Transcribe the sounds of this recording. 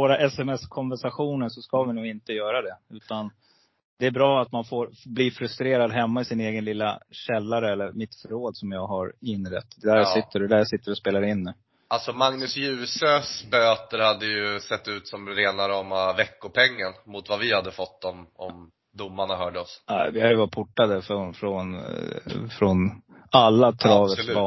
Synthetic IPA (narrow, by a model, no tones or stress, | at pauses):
voːɾaʔɛsɛmɛskʰɔnvɛʂaɧuːnəʂɔskavɪnuːɡɪnt̪əjœːɾad̪ɛʉ̟ːt̪an | d̪̥ɛːbɾɑːat̪manfoːɾbliːfɾɵst̪ɾeːɾad̪ɦɛmːaɪsɪneːɡənlɪlːa̰ɕɛlːaɾəɛlːəɾmɪt̪fœɾoːd̪sɔmjɑːɡɦaɾɪnːɾɛ̰t̪ːd̪ɛd̪æɾjasɪt̪ːədɛd̪æɾjasɪt̪ːəɾɔspeːlaɾɪnːʉ̟ː | alsɔmaŋnɵsjʉ̟ːsøːsbøːt̪əɾhad̪ːəjɵsɛt̪ːʉ̟ːt̪sɔmɾeːnaɾɔmvɛkːʊpʰɛŋːanmʊt̪vavɪhad̪ːəfɔt̪ːɔmɔm | d̪ʊmːaɳaɦœːɖəɔsavɪhajəvapʰʊʈːad̪əfɾɔnfɾɔn | fɾɔn | alːat̪ʰɾɑːvəsɑ